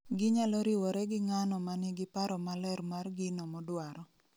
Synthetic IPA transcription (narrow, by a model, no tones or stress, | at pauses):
ɡɪɲalɔɾiwɔɾɛɡɪŋanɔmanɪɡɪpaɾɔmalɛrmarɡɪnɔmɔdwaɾɔ